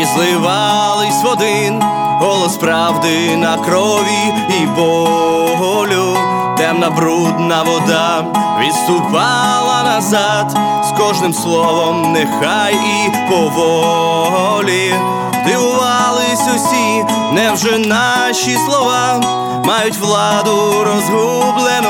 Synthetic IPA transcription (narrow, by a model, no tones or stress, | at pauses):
izlˠɪʋɑ | lˠɪsʲʋɔd̪ɪn | bɔlˠɔspɾɑwd̪ɪ | nɐkɾɔ | ʋʲiː | bɔ | ɦɔlʲʊ | t̪ɛmnɐbɾud̪nɐʋɔd̪a | ʋɪst̪ʊpɑ | lˠɐnɐzɑ | d̪ | skɔʒnɪmslˠɔʋɔmnɛxaji | pɔʋɔ | ɦɔ | lʲi | d̪ɪʋʊʋɑlˠɪsʲɔsʲi | nɛwʒɛna | ʃislˠɔʋa | mɑjʊtʲʋlˠɑd̪ʊ | ɾɔzɦublˠɛnʊ